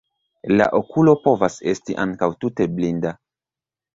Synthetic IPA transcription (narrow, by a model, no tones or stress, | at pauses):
la̰ʔo̞kulo̞po̞vase̞̰stiʔaŋkawtute̞blinda